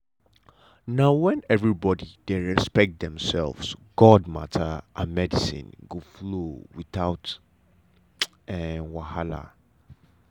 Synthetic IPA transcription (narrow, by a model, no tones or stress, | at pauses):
naʊwɛ̃nɛvɹibɔdideɹɛspɛk̚t̚d̪ɛ̃msɛlvsɡ̥ɔdma̰tʰəʔamɛdisḭ̃nɡoflowiθaʊt | ɛwahala̰